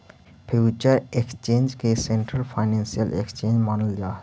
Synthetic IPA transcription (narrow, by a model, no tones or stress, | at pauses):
pʰut͡ʃəɾekst͡ʃẽːnd͡ʒkesẽɳʈɾəlpʰaɪnẽːnsijəlʔḛkst͡ʃẽːnd͡ʒmaːnəld͡ʒaː